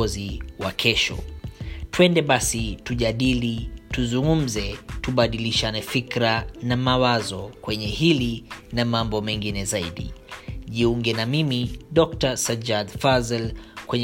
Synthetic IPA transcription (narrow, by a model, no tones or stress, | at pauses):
ɔziwakʰɛʃɔ̰twɛndɛɓasituʄaɗilituzuŋɡum̩zɛtuɓaɗiliʃanɛfikɾanamawazɔkwɛɲɛhilinamambɔmɛŋɡinɛzaiɗḭʄiuŋɡɛnamimiɗɔk̚tasad͡ʒadfazɛlkwɛɲ